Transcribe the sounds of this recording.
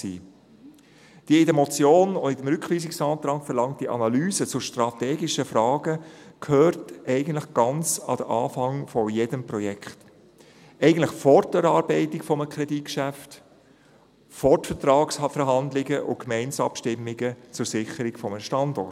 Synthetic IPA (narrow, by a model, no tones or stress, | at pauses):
sḭː | d̥iəɪdəmɔt͡sjoːnoɪdəmɾʏkχʋiːsɪksɑːt̪ɾɑːkfəɾlɑŋt̚diʔɑ̰nɑlyːzət͡sʊʃtɾɑt̪ɛːɡɪʃəfɾɑːɡəkʰhøːɾtɛɪɡən̩tləχɡ̥ɑnt͡sɑ̰d̥̪əʔɑ̰ːfɑŋfɔjedəmprɔjɛkχt | ɛɪɡən̩tləχfɔɾtɛɾɑːɾbɛɪtɪkfɔməkʰɾɛdit̚kʃæft | fɔtfɛtɾɑːksfɛɾɦɑnd̪lɪɡəʔʊ̰kmɛɪnsɑ̰pʃtɪmːɪɡət͡sʊɾsɪχəɾɪkfɔməʃtɑndɔrt